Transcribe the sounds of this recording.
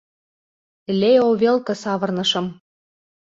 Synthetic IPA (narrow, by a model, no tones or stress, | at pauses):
leoβelkɤ̆sɑβɤ̆rnɤ̆ʃɤ̆m